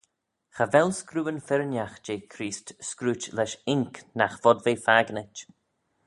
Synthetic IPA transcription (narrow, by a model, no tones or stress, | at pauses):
xavɛlskɾuːənfɪɾənjaxd͡ʒeːkʰɾiːstskɾuːt͡ʃlɛʃɪŋknaxv̥ɔdveːfaɡnət͡ʃ